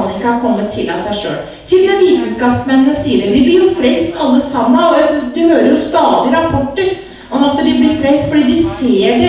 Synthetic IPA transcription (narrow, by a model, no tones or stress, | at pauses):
nɪkːəhɑɾkʰɔmːət̪ʰːɪlɑ̰sæɪʂø̰ːl | t̪ʰɪld̪ɛnʋiːt̪n̩skɑːpsmɛnːəsiːəɾɛd̪ɪblɪɾjʊfɾɛlst̪ʰɑlːəsɑmːəɔɑt̪d̪ɪhøːɾəɾjʊst̪ɑːd̪ɪəɾɑpʰɔʈːəɾ | ʔɔmɑt̪ːd̪ɪblɪɾfɾɛlst̪fɔɖiːd̪ɪseːɖɛ